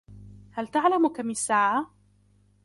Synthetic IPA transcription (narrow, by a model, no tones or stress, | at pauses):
halt̪aʕlamkamɪsːaʕa